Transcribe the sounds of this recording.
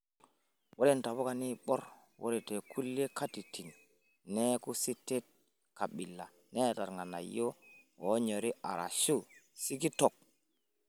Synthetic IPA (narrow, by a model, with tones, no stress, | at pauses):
wo˦li˦nta˨βo˦ka˨ni˦ɓo˦ɾ | wo̰˦ɾi˨te˨kʰu˦lːe˦ka˦ti˨ti˨nː | e˦ku˦si˦tːe˦t̚ | ka˨ɓi˨lːa̰˨ | ne˦˨ta˨ɾŋɡa˨na̰˨jːo˦o˨˦ɲo˨ɾi˦ʔa̰˨ɾʔa̰˨ʃu˦˨si˦ki˦to˨k̚